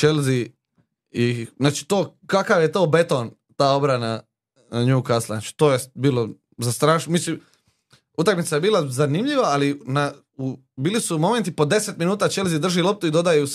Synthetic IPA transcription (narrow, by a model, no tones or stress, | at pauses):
t͡ʃelzi | inaːt͡ʃi̥t̪oːkakaʋjet̪o̞ːbe̞t̪o̞n | t̪aːo̞bɾana | ɲuːkaslˠanaːt͡ʃi̥t̪oːjebiːlo | zast̪ɾaːʃnomislim | ut̪akmit̪sajebiːlˠazanimʎiʋaːlina | u | biːlisumo̞ment̪ipo̞d̪e̞set̪minuːt̪at͡ʃe̞lzid̪r̩ʒilo̞p̚t̪uid̪o̞d̪aju